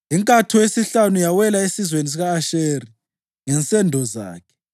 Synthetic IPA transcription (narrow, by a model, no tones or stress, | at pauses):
iŋkʼatʰuwesiɬanujawɛlaesizwenis̬iɣaːʃeri | ŋɛnt͡sʼɛndʱɔza̰ːkʰɛ̥